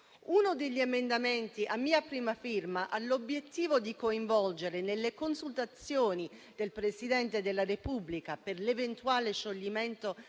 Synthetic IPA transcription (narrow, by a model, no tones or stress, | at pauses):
unod̪eʎːiemend̪ament̪iʔamːiːapɾiːmafirmaʔalobjet̪ːiːvod̪ikoiɱvɔld͡ʒeɾenelːekonsult̪at̪sːjoːnid̪elpɾesid̪ɛnt̪ed̪elːarepublikaperlevent̪uaːleʃolːiment̪o